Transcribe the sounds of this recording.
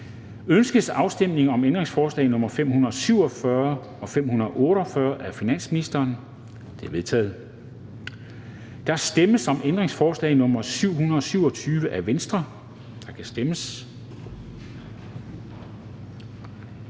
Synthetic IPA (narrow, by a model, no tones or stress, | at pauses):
ønsɡ̥əsɑ̈ʊsd̥em̰ne̝ŋɒ̽mend̥ʁeŋsfɒːslɛ̰ɪnɔ̽mɐfem̰hunɐð̩ˠsyʊ̰ɒ̽fɶɐ | ɒ̽fem̰hunɐðˠʔɔ̽ːɾ̥ɒ̽fɶɐʔæfinæn̰sminisd̥ɐːn | d̥e̝ɐʋe̝ðˠt͡sʰɛ̰ːð̩ˠ | d̥ɑ̈æsd̥eməsɒ̽mʔend̥ʁeŋsfɒːslɛ̰ɪnɔ̽mɐsyʊ̰hunɐðˠɒ̽syʊɒ̽t͡sʰyːʋəʔæʋensd̥ʁɐ | d̥ɑ̈kʰæsd̥eməs